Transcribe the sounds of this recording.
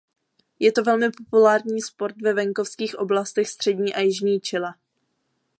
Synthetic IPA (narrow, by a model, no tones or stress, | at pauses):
jɛt̪o̞vɛlmɪpo̞pulaːɾɲiːspo̞ɾt̪vɛvɛŋko̞fskiːxʔo̞blast̪ɛxst̪r̥ɛdɲiːʔajɪʒɲiːt͡ʃɪla